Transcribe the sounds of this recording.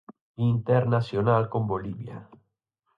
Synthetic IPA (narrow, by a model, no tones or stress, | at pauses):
int̪eɾnasjonalkomboliβja̰